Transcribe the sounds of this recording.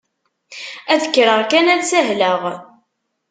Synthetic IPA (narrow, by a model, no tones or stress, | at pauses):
æðəkːɾəʁkænælsæɦləʁ